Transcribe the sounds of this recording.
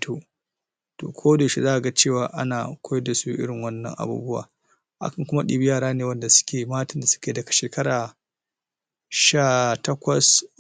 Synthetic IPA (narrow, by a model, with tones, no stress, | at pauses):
to˦ | to̰ː˨kʷʰoː˦deː˨ʃi˦zaː˦ʔa˨ɡa˦t͡ʃeː˦˨waː˨ʔa˦naː˨kʷo˦jɛ˦dːa˨su˦ʔɪ̰˦ɽɪ˨ŋwɐ˦nːɐ̰˦ŋʔa̰˨bṵː˦bʊ˦wa̰ː˨ | ʔa̰˦kɐ˨ŋkʷʊ˦ma˦ɗḭ˦bɪ˦jaː˦˨ɾaː˦neː˨wɐ˦nda˨sʊ̥˦kʲeː˨maː˦tɐ˨nda˨sʊ̥˦kʲeː˨dɐ˨ɡa˨ʃeː˨kɐ˦ɾaː˨ | ʃaː˦˨tɐ˦kʷɐ˨s